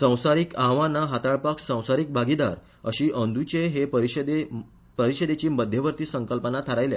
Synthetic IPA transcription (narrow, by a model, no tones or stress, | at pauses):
sə̃w̃saɾiːkaɦʋãnaɦat̪aɭpaksə̃w̃saɾiːk̚bʱaɡid̪aɾ | əɕiːʔənd̪ʱut͡ɕeɦepəɾiɕd̪e | pəɾiɕəd̪et͡ɕiːməd̪ʱjəʋəɾt̪iːsə̃ŋkəlpənat̪ʰəɾajlja̰